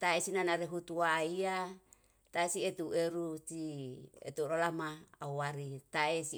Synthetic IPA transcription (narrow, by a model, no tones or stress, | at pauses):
t̪aesinanaɾeɦut̪uaia | t̪aesiet̪uʔeɾusiḛt̪uɾolamaauwaɾit̪aesi